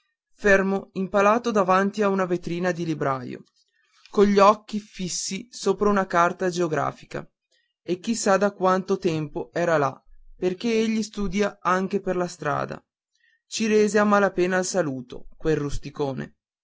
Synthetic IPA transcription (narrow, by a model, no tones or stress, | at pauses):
fermoimpalaːt̪od̪avant̪iaunavet̪ɾiːnad̪ilibɾaːjo̰ | koʎːɔkːifisːisoːpɾaunakart̪ad͡ʒeoɡɾa̰ːfi̥ka̰ | ek̟ːisad̪akwant̪ot̪ɛmpoɛːɾala̰perk̟eeʎːist̪uːd̪jaaŋk̟eperlast̪ɾa̰ːd̪a̰ | t͡ʃiɾeːzeamːalapeːnaːlsaluːt̪o̰kwerːust̪ikoːnḛ